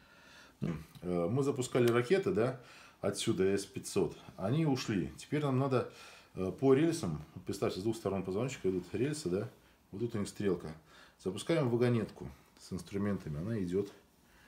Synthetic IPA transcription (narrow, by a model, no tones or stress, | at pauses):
nṵəmɨzəpʊskalʲɪrɐkʲe̞t̪ɨd̪aɐtsʲud̪əɛspʲɪtʲso̞t̪ɐnʲiʊʂlʲitʲɪ̥pʲeɾʲnamnad̪ə | pəɾʲelʲsəmpɾʲɪt̪st̪aftʲɪzd̪vuxst̪ɐɾo̞npəzvɐnt͡ɕːɪ̥kəɪd̪ut̪ɾʲelʲsɨd̪a | vot̪ːut̪ʊnʲixst̪ɾʲe̞lˠkəz̥əpʊskajɪmvəɡɐnʲe̞t̪kʊ̰ | sɨnst̪ɾʊmʲe̞nt̪əmʲɪɐnaɪdʲot̪